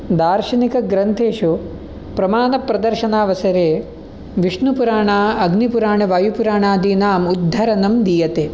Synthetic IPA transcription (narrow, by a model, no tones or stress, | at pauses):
d̪aːɾʃɐnikɐɡɾɐnt̪ʰeːʃu | pɾɐmaːnɐpɾɐd̪ɐɾʃɐnaːʋɐsɐɾeː | ʋiʂnupuɾaːɳaːɐɡnipuɾaːɳɐʋaːjupuɾaːɳaːd̪iːnaːmud̪ʱːɐɾɐnɐmd̪ijɐt̪eː